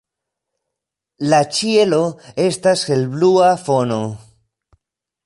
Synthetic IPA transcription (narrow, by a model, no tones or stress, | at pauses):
lat͡ʃie̞lo̞e̞stasxelbluafono̞